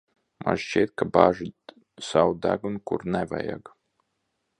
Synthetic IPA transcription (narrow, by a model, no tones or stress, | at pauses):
ma̰ʒt͡ʃit̪̚kabaʒu | sawd̪aɡunkṵɾnɛva̰ja̰ɡ